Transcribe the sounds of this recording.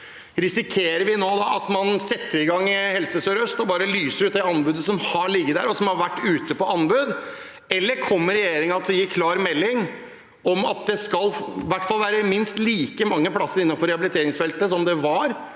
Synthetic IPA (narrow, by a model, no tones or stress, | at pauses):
ɾɪsɪkʰeːɾəɾʋɪnoːd̪ɑʔɑt̪mɑnsɛt̪ːəɾɪɡɑŋːɪhɛlsəsøːɾœst̪ɔbɑːɾəlyːsəɾʉːt̪d̪ɛɑnbʉd̪əsɔmhɑɭɪɡːəd̪æ̰ɾɔsɔmhɑɾʋæʈːʉːt̪əpɔʔɑnbʉd̪ | ɛlːəɾkʰɔmːəɾɛjeːɾɪŋɑt̪ɔjiːkʰlɑːɾmɛlːɪŋ | ɔmɑ̰t̪̚d̪ɛskɑlːʋæʈːfɑlːˠʋæːɾəmɪnst̪liːkəmɑŋːəpʰlɑsːəɾɪnːɑnfɔɾɛhɑbɪlɪt̪ʰeːɾɪŋsfɛlt̪əsɔmd̪ɛʋɑɾ